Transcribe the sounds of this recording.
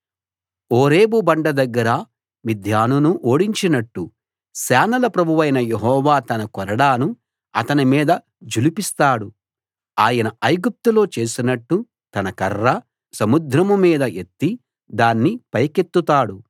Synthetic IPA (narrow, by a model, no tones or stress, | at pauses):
oːɾeːbubɐɳɖɐd̪ɐɡːɐɾɐ | mid̪ʱjaːnunuʔoːɽiɲt͡ʃinɐʈːu | sɛːnɐlɐpɾɐbʱuʋɐjnɐjeɦɔːʋaːt̪ɐnɐkɔɾɐɽaːnu | ɐ̰t̪ɐnimiːd̪ɐ | d͡ʒulipist̪aːɽu | aːjɐnɐɐjɡup̚t̪ulo̞ːt͡ʃe̞ːsinɐʈːu | t̪ɐnɐkɐrːɐ | sɐmud̪ɾɐmumiːd̪ɐʔe̞t̪ːi | d̪aːnːipɐjke̞t̪ːut̪aːɽu